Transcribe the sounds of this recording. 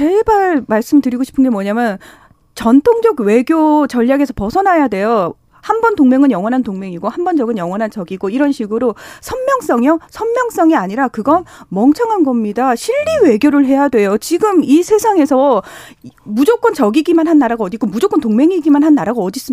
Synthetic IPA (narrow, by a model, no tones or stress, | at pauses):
t͡ɕebaɾmaɭs͈ɯmɭtɯɾiɡoɕʰi̥pʰɯnɡemwʌɲamjʌn | t͡ɕʌntʰoŋd͡ʑʌɡwe̞ɡjot͡ɕʌʎːaɡe̞sʰʌpʌsʰʌnɦajadwe̞jo | hanbʌntoŋmeŋɯnjʌŋwʌnɦantoŋme̞ŋiɡohambʌnd͡ʑʌɡɯnjʌŋwʌnɦant͡ɕʌɡiɡoiɾʌnɕʰiɡɯɾosʰʌnmjʌŋs͈ʌŋjosʰʌnmjʌŋs͈ʌŋiaɲiɾakɯɡʌnmʌŋt͡ɕʰʌŋɦanɡʌmɲidaɕʰiʎːiwe̞ɡjoɾɯɭɦe̞jadwe̞jot͡ɕiɡɯmisʰe̞sʰaŋe̞sʰʌ | mud͡ʑok͈ʌnt͡ɕʌɡiɡimanhanːaɾaɡaʌdik͈omud͡ʑok͈ʌntoŋme̞ŋiɡimanɦanːaɾaɡaʌdis͈ɯm